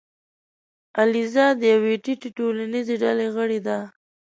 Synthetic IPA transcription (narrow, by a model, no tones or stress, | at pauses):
alizɑdd̪ːəjaweʈiʈiʈolanizeɖaleɣəɽed̪a